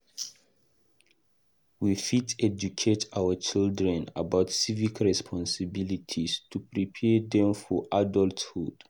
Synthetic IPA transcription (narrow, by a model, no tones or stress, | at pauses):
wifitʰɛd͡ʒukʰetʰawət͡ʃildɹɛ̃na̰baʊtsivikʰɹɛspʰɔ̃nsəbilitʰistʰupɹipʰɛdɛ̃mfɔʔadɔlthud̥